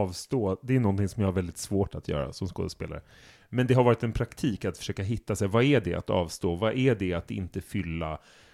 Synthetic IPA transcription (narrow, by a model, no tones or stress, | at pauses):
ɑːvst̪oːd̪ɛːjɵnɔnt̪ɪŋsɔmjahaɾvɛld̪ɪt̪svoːʈat̪ʰjœ̰ːɾa̰sɔmsko̰ːd̪əspḛːla̰ɾə̰ | mɛnd̪ɛɦaɾvɑːɾɪt̪ɛnpʰɾakt̪ʰiːkat̪fœ̥ʂøːkaɦɪt̪ːasɛjvaæɖɛʔa̰t̪ɑ̰ːvst̪oːvaʔæɖɛat̪ɪ̰nt̪əfʏlːa